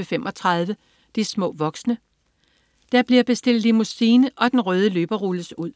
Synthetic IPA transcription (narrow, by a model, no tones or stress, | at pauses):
əfemʔɒ̽t͡sʰʁɑ̈ð̞ˠʋə | d̥ismɔ̰̽ːʋɒ̽ɡ̥snə | d̥æɐb̥liɐb̥e̝sd̥e̝l̰dˠlimusiːnəʔɒ̽d̥enʁœːð̞ˠəløːb̥ɐʁuləsuð̞̰ˠ